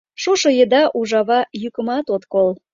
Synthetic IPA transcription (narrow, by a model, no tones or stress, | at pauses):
ʃuʃɤjəd̪ɑʔuʒɑβɑjykə̆mɑt̪ot̪kol